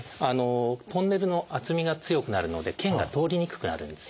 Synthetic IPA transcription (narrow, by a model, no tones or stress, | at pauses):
ano̞t̪õ̞nːe̞ɾɯ̟no̞ʔat͡sɨmʲiɡat͡sɨjo̞kɯ̟naɾɯ̟no̞d̪e̞kẽ̞ŋɡa̰t̪o̞ːɾʲiɲ̟ikɯ̥kɯ̟na̰ɾɯ̟̃nd̪e̞sɨ̥